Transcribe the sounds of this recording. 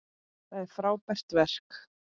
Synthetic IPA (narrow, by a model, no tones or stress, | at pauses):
θaðɛɾ̥fɾaːwpɛst̪vɛr̥k